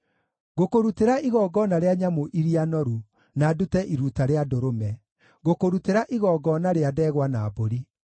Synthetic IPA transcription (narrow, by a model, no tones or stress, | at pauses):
ɣokoɾuteɾaʔiɣɔːɡɔnaɾeaɲamoʔiɾianɔɾu | nadutɛʔiɾutaɾeadoɾomɛ | ɣokoɾuteɾaʔiɣɔːɡɔnaɾeadɛɣwanaːboɾi